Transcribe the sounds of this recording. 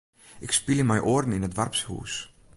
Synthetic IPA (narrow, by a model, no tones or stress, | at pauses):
ʔɪkspiləmɛjʔordn̩ɪnətʋarpshṵːs